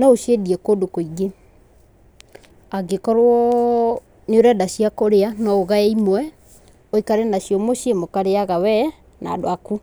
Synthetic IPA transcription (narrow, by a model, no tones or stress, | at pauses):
naoʃjediɛkodokoiɡe | aɡekɔɾwɔ | neoɾɛdasiakoɾeanɔoɣaɛimwɛ | oikaɾenaɕjɔmoʃjemokaɾeaɣawɛ | na̰doaku